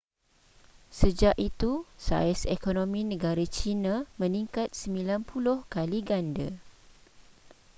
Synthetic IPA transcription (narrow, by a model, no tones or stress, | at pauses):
səd͡ʒaʔit̪usa̰ɛsekonõmĩnə̃ɡaɾat͡ʃinãmə̃niŋkat̪̚səmilanpʰulʊhkaliɡandə